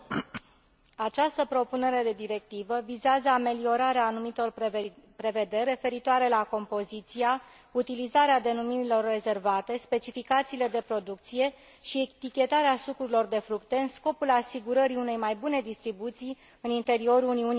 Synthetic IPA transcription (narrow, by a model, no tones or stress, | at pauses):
at͡ʃast̪əpɾo̞pune̞ɾe̞d̪e̞d̪iɾe̞k̚t̪ivəvizeazəame̞lio̞ɾaɾeaːnumit̪o̞rpɾe̞ve̞d̪e̞rʲe̞fe̞ɾit̪oaɾe̞lako̞mpo̞zit̪sija | ut̪ilizaɾead̪e̞numiɾilo̞rːe̞ze̞rvat̪e̞spe̞t͡ʃifikat̪siːle̞d̪e̞pɾo̞d̪uk̚t̪sije̞ | ʃiet̪ikʲe̞t̪aɾeasukɾuilo̞rd̪e̞fɾukt̪e̞ɨnsko̞pulasiɡuɾəɾiune̞jmajbune̞d̪ist̪ɾibut̪sij | ɨnint̪e̞ɾio̞ɾuniuni